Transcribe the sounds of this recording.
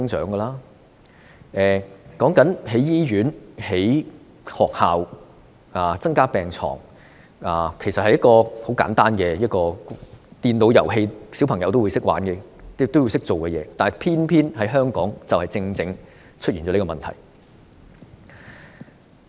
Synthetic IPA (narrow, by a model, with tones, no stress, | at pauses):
ŋt͡ʃœː˨˥ŋɡɛ˧laː˥ | ɛː˨kɔː˨˥ŋkɐ˨˥nhe˨˥jjiː˥ɥyː˨˥nhe˨˥j | hɔː˨k̚haː˨w | aː˨t͡sɐ˥ŋkaː˥pɛː˨˩ŋt͡sʰɔ̰ː˨˩ŋ | aː˨˩kʰe˨˩sɐ˨t̚hɐ˨jɐ˥t̚kɔː˧ho˨˥wka̰ː˨˥nt̪aː˥nkɛ˧jɐ˥t̚kɔː˧t̪iː˧nno˨˧wjɐ˨˩wɦe˧jsi˨˥wpʰɐ˨˩ŋjɐ˨˧wt̪o˥wu˨˧˥sɪ˥k̚wa̰ː˨˥nkɛ˧˥t̪o˥wu˧wsɪ˥k̚t͡so˨wkɛ˧jɛː˨˧˦t̪aː˨n˨pʰiː˥npʰiː˥nhɐ˨˥jɦœː˥ŋkɔː˨˥ŋt͡sɐ˨whɐ˨jt͡sɪ˧ŋt͡sɪ˧ŋ | t͡ʃʰt̚i˨nt͡ɕɔː˨˥niː˥kɔː˧˨ɐ˨˩nt̪ʰɐ̰˨˩j